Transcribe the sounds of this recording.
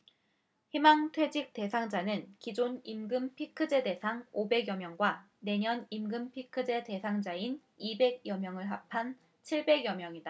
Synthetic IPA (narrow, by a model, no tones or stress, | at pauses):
himaŋtʰwe̞d͡ʑik̚t͈e̞sʰaŋd͡ʑanɯnkid͡ʑonimɡɯmpʰikʰɯd͡ʑe̞de̞sʰaŋobe̞ɡjʌmjʌŋɡwa | ne̞ɲʌnimɡɯmpʰikʰɯd͡ʑe̞te̞sʰaŋd͡ʑain | ibe̞ɡjʌmjʌŋɯɭɦap̚ʰan | t͡ɕʰiɭbe̞ɡjʌmjʌŋida